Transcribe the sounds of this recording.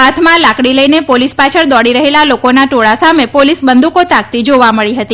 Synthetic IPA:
ɦat̪ʰmãlakɽiləinepolispat͡ʃʰəɾd̪ɔɽiɾəɦelalokonaʈoɭasamepolisbənd̪ʱukot̪ak̚t̪id͡ʒoʋaməɭiɦət̪i

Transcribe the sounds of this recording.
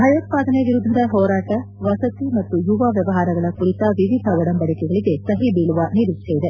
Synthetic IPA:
bʱɐjɐːt̪̚paːd̪ʱɐneʋiɾud̪ʱːɐd̪ɐɦɔːɾaːʈɐ | ʋɐsɐt̪imɐt̪ːujuʋaːʋjɐʋɐɦaːɾɐɡɐɭɐkuɾit̪ɐʋiʋid̪ʱɐɔɽɐmbɐɽikɛɡɐɭiɡe̞sɐɦibiːɭuʋɐniɾutʰːeid̪e

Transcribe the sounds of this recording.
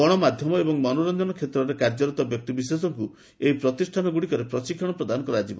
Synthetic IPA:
ɔɽ̃ɔmad̪ʱjɔmɔebɔŋmɔnuɾɔnd͡ʒɔnɔkʰet̪ɾɔɾekaɾd͡ʒɔɾɔt̪ɔbjɔk̚t̪ibis̬es̬ɔŋku | eipɾɔt̪isʈʰanɔɡuɽikɔɾepɾɔsikʰːɔɽ̃ɔpɾɔd̪anɔŋkɔɾad͡ʒibɔ̰

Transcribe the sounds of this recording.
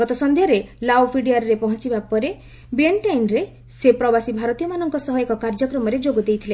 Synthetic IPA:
ɡɔt̪ɔsɔnd̪ʱjɔɾelabpʰiɖiaɾɾepɔɦɔ̃t͡ʃibapɔɾe | bieɳʈajnɾe | sepɾɔbasibʱaɾɔt̪ijɔmanɔŋkɔsɔɦɔekɔkaɾd͡ʒɔkɾɔmɔɾed͡ʒoɡud̪ejt̪ʰile

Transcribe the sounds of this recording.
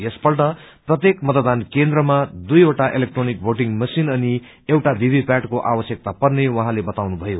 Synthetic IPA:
jespʌlʈʌprʌt̪jekmʌt̪əd̪ankend̪rʌmad̪ujoʈaʔelek̚ʈronik̚bʱoʈiŋmʌsinʌni | ewʈad̪ʱibʱipjaʈkoʔawʌsjʌk̚t̪apʌrnewʌɦãlebʌt̪awnubʱʌjo

